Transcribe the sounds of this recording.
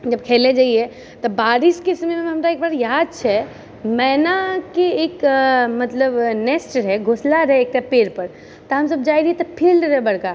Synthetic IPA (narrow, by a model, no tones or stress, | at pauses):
d͡ʒəb̚kʰeled͡ʒaie | t̪ɔbaɾiskɪsmmeɦəmɾaeːk̚baːɾjad̪̚t͡ʃʰɛ | mɛnakeekmət̪ləbnesʈɾɛɡʱoslaɾɦɛeːk̚tapeːɾpəɾ | t̪ɔɦəmsəb̚d͡ʒaiɾiet̪ɔpʰilɾɛbəɽka